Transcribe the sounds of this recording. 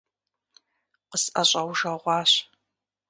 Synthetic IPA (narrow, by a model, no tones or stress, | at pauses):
qəsɐɕʼɐwʒɐʁʷɑːɕ